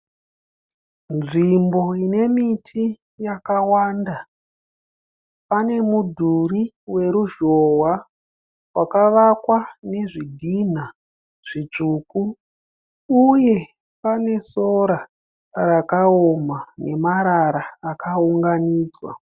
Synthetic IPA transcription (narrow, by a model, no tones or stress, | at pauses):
nʐimbo̞ine̞mitʰi | jakawaːnda | pane̞mudʱuri | we̞ɾuʒowa | wakaʋakwane̞ʐiɡʱin̤a | ʐ̥it͡ʂuku | uje̞ | pane̞so̞ɾa | rakaomane̞maɾaɾaːkauŋɡaniːd͡zwa̰